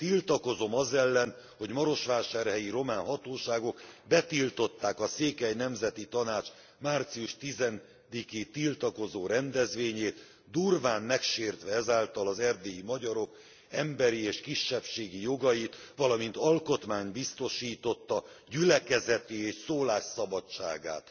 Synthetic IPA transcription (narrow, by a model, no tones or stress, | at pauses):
t̪ilt̪ɒko̞zo̞mɒzɛlːɛn | ho̞ɟmɒɾo̞ʃʋaːʃaːrhɛjiɾo̞maːnɦɒt̪oːʃaːɡo̞kbɛt̪ilt̪o̞t̪ːaːkɒseːkɛjnɛmzɛt̪it̪ɒnaːt͡ʃ | maːrt̪siuʃt̪izɛn | d̪ikeːt̪ilt̪ɒko̞zoːɾɛnd̪ɛzʋeːɲeːt̪ | d̪urvaːnmɛkʃeːrt̪ʋɛɛzaːlt̪ɒlɒzɛrd̪eːimɒɟɒɾo̞k | ɛmbɛɾieːʃkiʃːɛpʃeːɡijo̞ɡɒjit̪ʋɒlɒmint̪ɒlko̞t̪maːɲbist̪o̞ʃiːt̪o̞t̪ːɒ | ɟylɛkɛzɛt̪ieːʃsoːlaːʃsɒbɒt͡ʃːa̰ːɡa̰ːt̪